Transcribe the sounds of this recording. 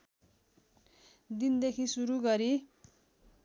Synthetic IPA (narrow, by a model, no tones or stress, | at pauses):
d̪ind̪ekʰisuɾuɡʌɾi